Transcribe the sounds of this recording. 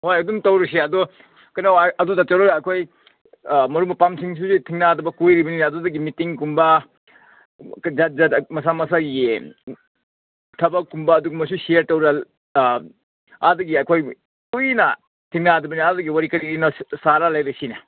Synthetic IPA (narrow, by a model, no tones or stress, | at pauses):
hojɐdumtɐwɾɐseɐdɔ | kɐjnawɐdudat͡ʃɐɾoɾaːjkʰoj | mɐɾumɐpamsiŋs̬uzitʰiŋnadɐbɐkojɾibɐninːdudɐɡimitiŋkumbɐ | kd͡ʒazamɐs̬amɐsaɡe | tʰɐbɐkumbɐːduɡumɐsusiɐɾtɐwɾɐ | adɐɡiajkʰoj | ujnɐ | tʰiŋnadɐbɐniadɐɡiwaɾikɐɾiɾinɐsaɾalajɾɐsinɐ